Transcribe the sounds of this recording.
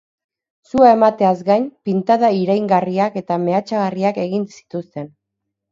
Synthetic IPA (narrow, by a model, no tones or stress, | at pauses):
suae̞mat̪e̞azɡajnpint̪aðaiɾajŋɡariake̞t̪ame̞at͡ʃaɣariake̞ɣinsi̥t̪ust̪e̞n